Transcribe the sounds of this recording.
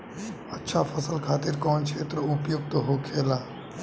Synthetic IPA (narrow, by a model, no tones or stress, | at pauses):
ətːʃʰapʰəsəlkʰaːt̪ɪɾkɔːnkʰeːt̪ɾəʊpjʊɡ̚t̪oɦokʰeːlaː